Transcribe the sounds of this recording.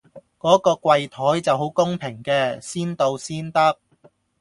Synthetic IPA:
kɔː˨˥kɔː˧kʷwɐ˧jt̪ʰɔː˨˥jt͡sɐ˨wɦo˨˥wkʊ˥ŋpʰɪ˨˩ŋkɛː˧siː˥nt̪o˧wsiː˥nt̪ɐ˥k̚

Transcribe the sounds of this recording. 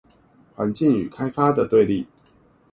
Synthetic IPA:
xwa˨˧˦nt͡ɕi˥˨ŋy̰˨˩kʰa˥ɪfa˥d̪ə˨t̪we˥˧ɪli˥˨

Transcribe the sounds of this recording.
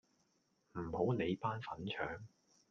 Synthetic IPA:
m̩˨˩ho˨˥wne˨˧jpaː˥nfɐ˨˥nt͡ʃʰœː˨˥ŋ

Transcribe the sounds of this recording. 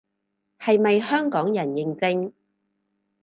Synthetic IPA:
hɐ˨jmɐ˨jhœː˥ŋkɔː˨˥ŋjɐ˨˩njɪ˨ŋt͡sɪ˧ŋ

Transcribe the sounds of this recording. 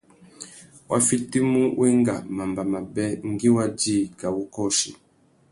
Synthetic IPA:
wʔa̰˦fi˦ti˦mu˦wʔe˦ŋɡa̰˨ma˨mba˨ma˨bɛ˦ŋ̩˦ɡi˦wa˦d͡ʒi˦˨ka˨wu˦kɔ˦˨ʃḭ˨

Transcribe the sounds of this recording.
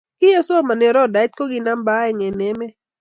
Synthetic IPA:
kɪ˦ja˦so˦˨ma˨nɛ˨ɾɔ˦˨da˨˦t̪̚ko˦ɡɪ˨na˦mba˦ɛ˨ŋɛ˨nɛ˨˦mɛ˦

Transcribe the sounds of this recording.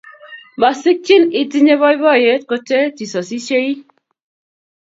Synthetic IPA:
ma˨si˦k̚t͡ʃi˦ni˨ti˦ɲe˦bɔ˦i˦bɔ˦˨je˨˦t̚ko˦te˦ti˨sɔ˨si˦ʃe˦ɾi˦

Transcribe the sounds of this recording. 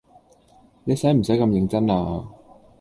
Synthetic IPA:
ne˨˧jsɛː˨˥jm̩˨˩sɐ˨˥jkɐ˧mjɪ˨˧ŋt͡sɐ˥naː˧

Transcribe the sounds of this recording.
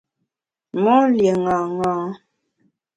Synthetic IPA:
mɔ˦lje˨ŋãː˨ŋɔ̃ː˨˦

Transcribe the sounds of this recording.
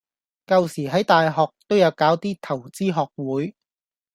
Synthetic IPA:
kɐ˨˧wsiː˨˩ɦɐ˨˥jt̪aː˨jɦɔː˨k̚t̪o˥wjɐ˨˧wkaː˨˥wt̪iː˥t̪ʰɐ˨˩wt͡siː˥ɦɔː˨k̚wuː˨˥j

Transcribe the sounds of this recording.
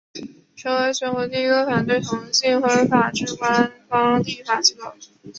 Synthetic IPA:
ʈ͡ʂʰɤ˧˥ŋwe˧˥ɪɕɥɛ˧˥nxwɔ˧˥t̪i˥˧i˥kɤ˥˩fa˨˩nt̪we˥˩ɪt̪ʰʊ˧˥ŋ˥ɕi˥˩ŋxə˥fa˨˩ʈ͡ʂɻ̩˥˩kwa˥nfɑ˥ŋt̪i˥˩fa˨˩t͡ɕi˧˥kɔ˥˩ʊ

